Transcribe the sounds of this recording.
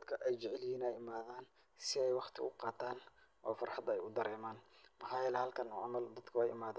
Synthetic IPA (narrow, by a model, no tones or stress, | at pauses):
d̪ɐd̪kʰɐʔɛjt͡ʃɪʕɪljiːnɛjɪmaːðaːn | sɪɛjwɑχt̪ʰɪ̰ʊqɑːt̪ʰaːnʔɔ̰ːfɐrħɑd̪ɛjʊd̪ɐɾɛːmaːnmɐħaːjɛːlɛhɐlkʰɐnɔʕɑmɐld̪ɐd̪kʰɐwɛjɪ̰maːð